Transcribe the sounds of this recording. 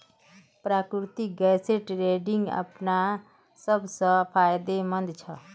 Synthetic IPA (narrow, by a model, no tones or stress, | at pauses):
pɾaːkɾɾɪt̪iɡɛːseʈɾeːɖɪŋɡə̰pna | səbsəpʰaːjd̪emə̃nd̪t͡ʃʰə